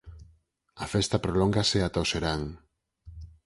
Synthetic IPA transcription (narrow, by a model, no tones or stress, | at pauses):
afest̪apɾolɔŋɡaseat̪aoseɾaŋ